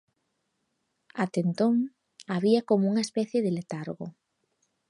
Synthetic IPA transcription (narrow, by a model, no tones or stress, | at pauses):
at̪ent̪oŋ | aβiɐkomouŋɐespɛθjeðɪlet̪aɾɣo̰